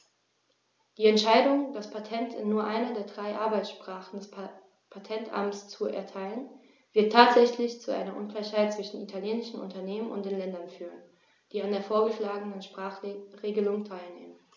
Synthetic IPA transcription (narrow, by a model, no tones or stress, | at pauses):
d̥iːɛntʃaɪdʊŋd̥aspʰatʰɛntʰɪnːuːɐʔaɪnɐdeːɐdʁaɪʔaɐbaɪsʃpʁ̥aːχn̩dɛs | pʰatʰɛntʔa̰mst͡suʔɛ̰ɐtʰaɪlən | v̥ɪɐtʰːaːtz̥ɛçlɪçt͡suʔa̰ɪnɐʔʊnklaɪçhaɪt̚t͡sv̥ɪʃn̩itʰaljeːnɪʃn̩ʔʊ̰ntɐneːmənʊ̰ntd̥eːnlɛndɐnfyːʁən | d̥iːandeːɐfoːɐɡəʃlaːɡənənʃpʁ̥aːχʁeːɡəlʊŋtʰaɪlneːmən